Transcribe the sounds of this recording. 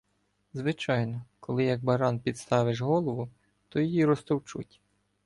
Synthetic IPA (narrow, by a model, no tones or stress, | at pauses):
zʋɪt͡ʃɑjnɔkɔlˠɪjɐɡ̚bɐɾɑnpʲid̪st̪ɑʋɪʒɦɔlˠɔʋʊ | t̪ɔjɔjiɾɔst̪ɔwt͡ʃṵtʲ